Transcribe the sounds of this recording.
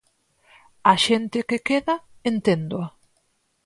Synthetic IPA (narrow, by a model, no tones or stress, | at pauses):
aʃent̪ɪkekeðaent̪end̪oa